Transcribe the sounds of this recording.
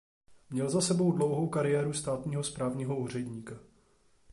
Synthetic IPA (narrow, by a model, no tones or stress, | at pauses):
mɲɛlzasɛbo̞wdlowɦowkaɾɪjɛːɾust̪aːt̪ɲiːɦo̞spɾaːvɲiːɦouːr̝ɛɟɲiːka